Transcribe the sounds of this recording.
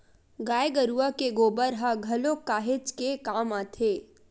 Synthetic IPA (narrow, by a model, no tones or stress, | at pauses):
ɡaːjɡəɾuakeɡoːbəɾɦaɡʱɐlokaːɦet͡ʃkekaːmaːt̪ʰeː